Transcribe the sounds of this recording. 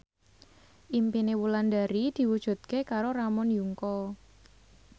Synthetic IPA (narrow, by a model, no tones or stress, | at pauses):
ʔimpinewulandaɾid̪̥i̤wud̥ʒ̥ṳt̪̚kekaɾoɾramɔnjuŋkɔ